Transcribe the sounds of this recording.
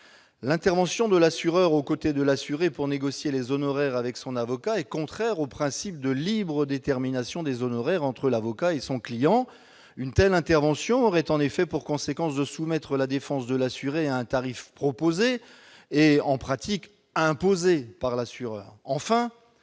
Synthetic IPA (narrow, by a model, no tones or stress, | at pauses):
lɛ̃t̪ɛʁvɑ̃sjɔ̃d̪əlasyʁœʁokot̪ed̪əlasyʁepuʁneɡɔsjelezɔnɔʁɛʁavɛksɔ̃navɔkaɛkɔ̃t̪χɛʁopχɛ̃sip̚d̪əlibʁəd̪et̪ɛʁminasjɔ̃d̪ezɔnɔʁɛʁɑ̃t̪χəlavɔkaesɔ̃klijɑ̃ | ynt̪ɛlɛ̃t̪ɛʁvɑ̃sjɔ̃ɔʁɛt̪ɑ̃nefɛpuʁkɔ̃sekɑ̃sd̪əsumɛt̪χəlad̪efɑ̃sd̪əlasyʁeaɛ̃t̪aʁifpχɔpozeː | ɑ̃pχat̪ʰik | ɛ̃pozepaʁlasyʁœ̰ːʁɑ̃fɛ̃